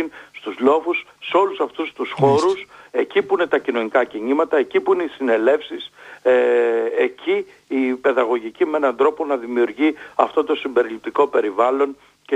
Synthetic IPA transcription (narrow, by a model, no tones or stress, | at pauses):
inst̪uzlo̞fusːeo̞lusɐft̪ust̪usxo̞ɾuse̞cipuine̞t̪ɐcino̞nikɐciɲimɐt̪ɐe̞cipuine̞isine̞le̞fsis | ecʰiː | pe̞ðɐɣo̞ʝicimee̞nɐnd̪ɾo̞po̞nɐðimiuɾʝiɐft̪o̞t̪o̞simbe̞ɾilip̚t̪iko̞pe̞ɾivɐlo̞n | ce